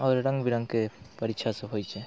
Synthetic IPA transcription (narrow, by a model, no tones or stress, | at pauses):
ɔːɾɾə̃ŋɡbiɾə̃ŋɡkepəɾiʃʰaseɦojt͡ʃɛ